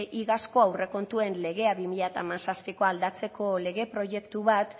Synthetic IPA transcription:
ʔiɣasko̞awre̞ko̞nt̪ue̞nle̞ɣ̞e̞aβimiʎat̪amansaspiko̞ald̪at͡se̞ko̞le̞ɣe̞pɾo̞ʝe̞kt̪uβat̪

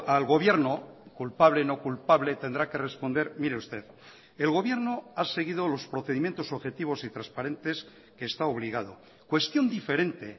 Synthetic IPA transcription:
alɣo̞βje̞ɾnokulpaβle̞no̞kulpaβle̞t̪e̞nd̪ɾake̞re̞spond̪e̞ɾmiɾeust̪e̞ð | elɣo̞βje̞ɾnoase̞ɣiðo̞lo̞spɾoθe̞ðimjent̪o̞soβxe̞t̪iβ̞o̞sit̪ɾaspaɾe̞nt̪e̞s | keːst̪ao̞βliɣ̞að̞o̞ | kwe̞st̪jo̞nd̪ife̞ɾe̞nt̪e̞

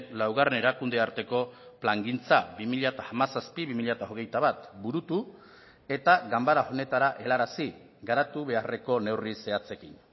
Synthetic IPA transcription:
nlawɣarene̞ɾakund̪eaɾt̪e̞ko̞plaŋɡint͡sabimiʎat̪aamasaspiβimiʎat̪aoɣ̞e̞jt̪aβat̪buɾut̪u | e̞t̪aɣambaɾao̞ne̞t̪aɾaʔe̞laɾasi | ɡaɾat̪uβe̞are̞ko̞ne̞wrise̞at͡se̞kin

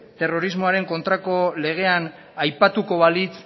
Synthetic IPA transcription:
t̪e̞ro̞ɾizmo̞aɾe̞ŋko̞nt̪ɾako̞le̞ɣ̞e̞an | ajpat̪uko̞βalit͡s

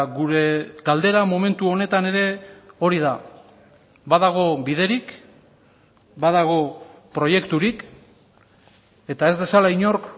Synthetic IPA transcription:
ɡuɾe̞ɡald̪e̞ɾamo̞me̞nt̪uo̞ne̞t̪ane̞ɾe̞o̞ɾið̞a | baðaɣ̞o̞biðe̞ɾik | baðaɣ̞o̞ | pɾo̞je̞kt̪uɾik | e̞t̪ae̞zd̪e̞salaiɲo̞ɾk

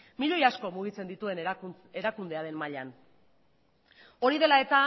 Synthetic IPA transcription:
miʎo̞jasko̞muɣ̞it͡se̞nd̪it̪ue̞n | e̞ɾakund̪e̞aɾe̞nmaʎan | o̞ɾiðe̞lae̞t̪a

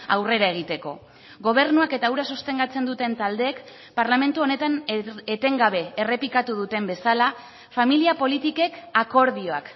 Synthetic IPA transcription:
a̰wre̞ɾae̞ɣ̞it̪e̞ko̞̰ | ɡo̞β̞e̞ɾnuake̞t̪auɾasost̪e̞ŋɡat͡se̞nd̪ut̪e̞nt̪ald̪e̞ːk | paɾlamẽ̞nt̪uo̞ne̞t̪anet̪e̞ŋɡaβ̞e̞ːre̞pikat̪uð̞ut̪e̞mbe̞sala | familiapo̞lit̪ike̞kako̞ɾð̞io̞a̰k

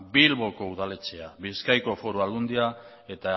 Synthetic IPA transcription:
bilβo̞ko̞uð̞ale̞t͡se̞aβiskajko̞fo̞ɾualund̪ia | e̞t̪a

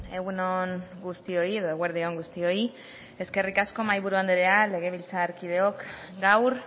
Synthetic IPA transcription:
e̞ɣunoŋɡust̪io̞ie̞ðo̞eɣweɾð̞ioŋɡust̪io̞i | e̞ske̞rikasko̞majβuɾuand̪eɾe̞ale̞ɣ̞e̞β̞ilt͡saːɾkið̞e̞o̞k | ɡawɾ

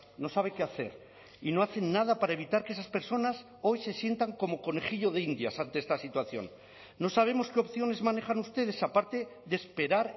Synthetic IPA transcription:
no̞saβ̞eke̞aθe̞̰ɾ | ino̞aθe̞nːað̞apaɾae̞βit̪aɾkeesaspe̞ɾso̞nas | o̞jse̞sje̞nt̪aŋko̞mo̞ko̞ne̞χiʎo̞ð̞e̞ind̪jasant̪e̞est̪asit̪waθjo̞̰nː | o̞saβ̞e̞mo̞skeo̞pθjo̞ne̞zmaneχanust̪e̞ð̞e̞sapaɾt̪e̞ðespe̞ɾaɾ

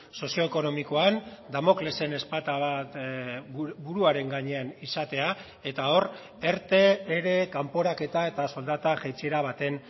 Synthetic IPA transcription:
so̞sijo̞eko̞no̞miko̞and̪amo̞klese̞ne̞spat̪aβ | buɾuaɾe̞ŋɡaɲe̞anisat̪e̞a | e̞t̪ao̞r | e̞ɾt̪e̞ːɾe̞kampo̞ɾake̞t̪ae̞t̪aso̞ld̪at̪aʝejt͡seɾaβ̞at̪e̞n

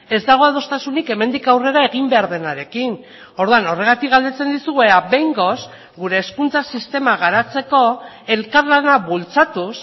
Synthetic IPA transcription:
e̞zd̪aɣ̞o̞aðo̞st̪asunike̞me̞nd̪ikawre̞ɾae̞ɣimbe̞aɾðe̞naɾe̞kin | o̞ɾðuano̞re̞ɣ̞at̪ikɣald̪e̞t͡se̞nd̪isuɣeabe̞jŋɡo̞s | ɡuɾe̞ːskunt͡sasist̪e̞maɣ̞aɾat͡se̞ko̞ | e̞lkaɾlanaβult͡sat̪us

